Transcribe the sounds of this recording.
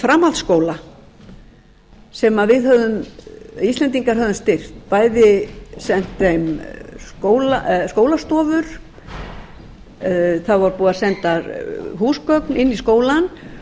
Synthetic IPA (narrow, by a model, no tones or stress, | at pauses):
fɾaːmalskoːwla | sɛmavɪðɦœðʏmist̪lɛnt̪̬iŋkaɾ̥ɦœðʏnst̪ɪr̥t̪paːjðɪsɛn̥t̪θejmskoːwlaskoːwlast̪ɔːvʏɾ̥ | θavaɾpuːðasɛnt̪aɾɦuːskœknɪnːiskoːwlan